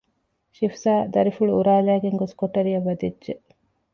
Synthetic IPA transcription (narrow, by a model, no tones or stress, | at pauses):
ʃifsaːd̪ɐɾifuɭuuɾaːlæːɡeŋɡoskoʈɐɾijɐʋːɐd̪idʒe